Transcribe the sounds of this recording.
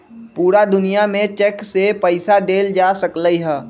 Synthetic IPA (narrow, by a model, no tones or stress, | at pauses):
puːɾad̪ʊnijamẽt͡ʃɛksepəɪsad̪eːld͡ʒaːsɐkləiɦɛː